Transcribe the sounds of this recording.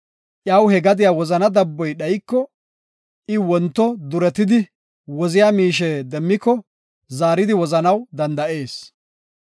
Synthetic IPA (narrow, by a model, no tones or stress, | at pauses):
ʔjɐwhɛɡɐd̪ɪjaːwɔzɐnɐd̪ɐbːɔjɗɐjkːɔ | ʔɪwɔnt̪ːɔd̪ʊɾɛt̪ɪd̪ɪ | wɔzɪjaːmiːʃ̬ɛd̪ɛmːɪkːɔ | zaːɾɪd̪ɪwɔzɐnɐwd̪ɐnd̪ɐʔe̞ːs